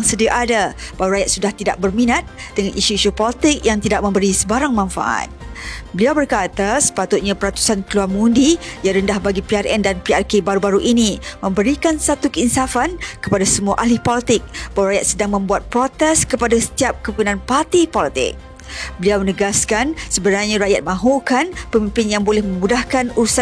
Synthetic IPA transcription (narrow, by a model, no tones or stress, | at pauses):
jaŋsədiaʔadab̥awaɾajat̪̚sudaht̪ida̰ʔ̚bərminat̪̚d̥əŋanʔiʃuiʃupɔlit̪ɪk̚jaŋt̪idaʔ̚mə̃mbəɾisəbaɾaŋmãnfa̰ʔa̰t̪̚bəliawbərkat̪asə̥pat̪ʊt̪̚ɲãpəɾat̪u̥sankəluarmundijaɾəndahbaɡipiarʔɛndanpiarkebaɾubaɾuʔinimə̃mbəɾikansat̪ukəinsafankəpadasəmuaʔalihpolit̪ɪk̚bawɾajat̪̚sədaŋmə̃mbuat̪̚pɾot̪ɛskəpadasə̥t̪iap̚kəpənãnpart̪ipolit̪ɪ̰k̚ | bəliawmənəɡaskansəbənarɲãɾaʔjat̪̚mãɦukanpəmĩmpɪnjaŋbolɛhmə̃mudahkanuɾusa